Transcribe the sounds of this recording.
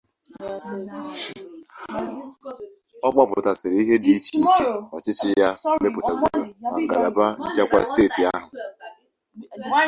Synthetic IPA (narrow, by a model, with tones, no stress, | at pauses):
ɔ˦k͡pa˦pʊ̰˨ta˨sɪ˨ɾi˦ɦe˦di˨i˦t͡ʃi˨t͡ʃi˨ɔ˨t͡ʃɪ˦t͡ʃɪ˦ja˦me˦pʊ˨ta˨ɡu˦ɾa˨ma˨ŋ̩˨ɡa̰˨ɾa˨ba˦n̩˦t͡ʃa˦kʷa̰˦˨steː˦˨ti˨a˦ɦʊ˨